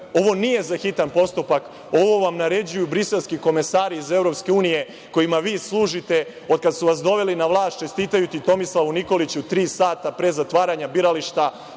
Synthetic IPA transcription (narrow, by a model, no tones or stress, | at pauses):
o̞ʋo̞nije̞zaxit̪anpo̞st̪upak | o̞ʋo̞ʋamnaɾe̞d͡ʑujubɾise̞lˠskiko̞me̞saːɾiize̞vɾo̞pske̞uːnije̞ | ko̞jimaʋiːslˠuːʒit̪e̞ | od̪̚kad̪suʋasd̪o̞ʋe̞linaʋlˠaːst͡ʃe̞st̪iːt̪ajut̪it̪o̞mislˠaʋuniko̞lit͡ɕut̪ɾiːsaːt̪apɾe̞zat̪ʋaːɾaɲabiɾaliʃt̪a